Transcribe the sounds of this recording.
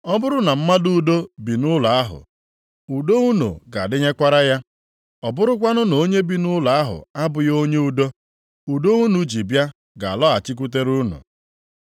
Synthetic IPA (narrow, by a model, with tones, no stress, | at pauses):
ɔ˦bʊ˦ɾʊ˦na˨m̩˦ma˦du˦˨do˦bi˨nʊ˦la˨a˦ɦʊ̰˨ | u˨do˦u˦nṵ˨ɡa˨dɪ˦ɲe˦kʷa˦ɾa˦ja˦ | ɔ˨bʊ˦ɾʊ˦k̬ʷa˦nʊ˦no˨˦ɲe˦bi˨nʊ˦la˨a˦ɦʊ̰˨a˦bʊ˨jo˦ɲe˦u˦do˦ | u˨do˦u˦nu˨d͡ʒi˨bja˦ | ɡa˨a˨lɔ˦a˨t͡ʃi˦k̬u˦t̬e˦ɾu˦nṵ˨